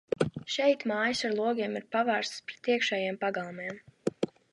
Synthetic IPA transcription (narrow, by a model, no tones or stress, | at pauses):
ʃɛjt̪maːjəsaɾlˠuɔɡʲiɛmiɾpavæːɾst̪spɾɛt̪iɛkʃɛːjeɛmpaɡalˠmɛɛm